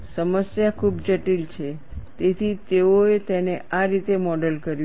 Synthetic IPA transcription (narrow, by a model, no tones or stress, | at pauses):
səməsjakʰubd͡ʒəʈilt͡ʃʰe | t̪et̪ʰit̪eoet̪eneaɾit̪emɔɖəlkəɾju